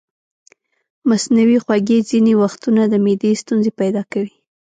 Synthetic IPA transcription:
masnawixwaɡezinewaxt̪unad̪əmed̪est̪unzepajd̪ɑkawi

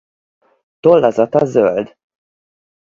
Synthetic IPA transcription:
t̪olːɒzɒt̪ɒzøld̪

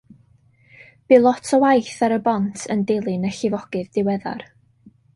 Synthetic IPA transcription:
b̥ɨlˠɔtʰɔwajθaɾəbɔntʰəndɪlˠɨnəɬɪvɔɡ̥ɨðdɪwɛða̰r

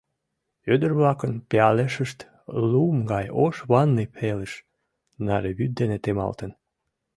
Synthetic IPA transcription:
ød̪ərβlɑkənpeɑleʃəʃt̪ | lumɡɑjoʃβɑnːipʰeleʃ | nɑɾeβyt̪̚d̪enet̪emɑ̰lt̪ən

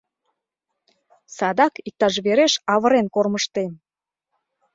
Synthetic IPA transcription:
sɑd̪ɑkik̚t̪ɑʃ̬βeɾeʃɑβəɾenkorməʃt̪en

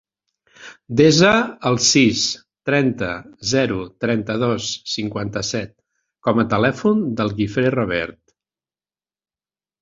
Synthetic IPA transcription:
d̪ezəːlˠsis | t̪ɾɛnt̪əzɛɾut̪ɾɛnt̪əðosːiŋkwant̪əsɛt̪̚ | kɔmət̪əlɛfund̪əlˠɣifɾeroβɛɾt̪

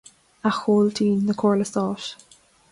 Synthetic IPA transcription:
axoːlt̪ʰiːnðəkʰɔɹləst̪ɔːʃ

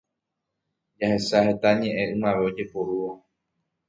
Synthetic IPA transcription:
d͡ʒahe̞sahe̞t̪aɲẽ̞ʔẽ̞ɨ̃mãʋe̞od͡ʒe̞poɾuo

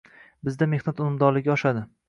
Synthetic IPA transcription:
bɪzd̪ame̞hnat̪ʊmʊmd̪ɒɾlɪɡʲaɒʃad̪ɪ

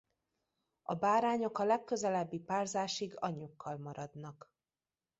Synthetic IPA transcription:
ɒbaːɾaːɲo̞kɒlɛkːøzɛlɛbːipaːrzaːʃiɡɒɲːukʰːɒlmɒɾɒd̪nɒk

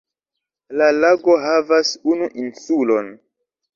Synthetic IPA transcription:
lalaɡo̞ɦavasunuʔinsulon

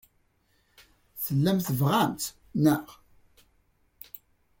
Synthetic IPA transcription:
θəlːæmθəvʁænt̪ | nəʁ

